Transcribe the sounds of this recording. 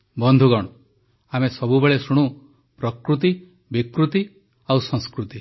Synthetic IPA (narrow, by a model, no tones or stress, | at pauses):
bɔnd̪ʱuɡɔɽ̃u | amesɔbubeɭesuɽ̃u | pɾɔkɾut̪i | bikɾut̪i | awsɔ̃ŋskɾut̪i